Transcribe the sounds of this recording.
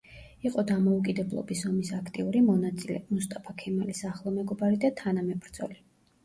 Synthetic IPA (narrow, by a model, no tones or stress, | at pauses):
iqʼɔd̪amɔukʼid̪ɛblˠɔ̰bisɔmisakʰt̪ʼiuɾimɔnat̪sʼilɛ̰must̪ʼapʰakʰɛmalisaχlˠɔmɛɡɔbaɾid̪at̪ʰanamɛpʼɾd̪z̥ɔ̰li